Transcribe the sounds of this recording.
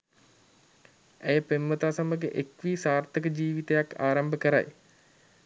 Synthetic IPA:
æjəpemːət̪aːsaməɡeʔekʋiːsaːrt̪əkəd͡ʒiːʋit̪əjaka̰ːɾambəkəɾa̰j

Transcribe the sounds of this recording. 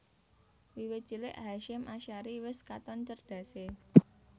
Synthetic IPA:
wiwe̥t͡ʃilɪʔɦaʃɪmʔaʃaɾiwɪskat̪ɔnt͡ʃərd̪̥ä̤se

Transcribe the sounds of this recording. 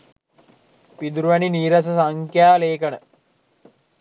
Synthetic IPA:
pid̪uɾuʋæniniːɾas̬əsaŋkjaːleːkənə

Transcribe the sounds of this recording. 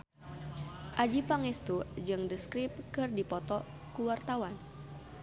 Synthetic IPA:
ʔad͡ʒipaŋɛst̪ud͡ʒɨŋdəskɾip̚kɨrdipɔt̪ɔ | kuwart̪awan

